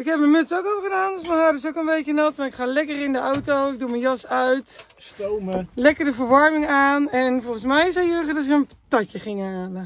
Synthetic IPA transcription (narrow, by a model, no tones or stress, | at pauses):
ɪkhɛp̚mənmøtsokopχədaːndɔsməɦadəsokənbejkjənɔtmaɪkχaːlɛkərɪndəawtowɪɡ̚dumənjɔsœɥt | stomlɛkərdəvərʋɔrmɪŋaːnɛnfɔlˠɣənsmɛjɪsɛjøːɣədɔt̬ɪkən | tɔcjəχɪŋhaːlə